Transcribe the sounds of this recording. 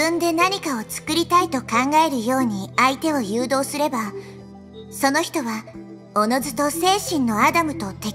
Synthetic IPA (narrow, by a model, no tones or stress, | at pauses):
ɨ̃nd̪e̞naɲ̟ikao̞t͡sɨ̥kɯ̟ɾʲit̪ait̪o̞kãŋɡae̞ɾɯ̟jo̞ːɲ̟iait̪e̞o̞jɯːd̪o̞ːsɨɾe̞ba | so̞no̞çi̥t̪o̞βa | ono̞zɨt̪o̞se̞ːɕĩnːo̞ad̪amɯ̟t̪o̞t̪e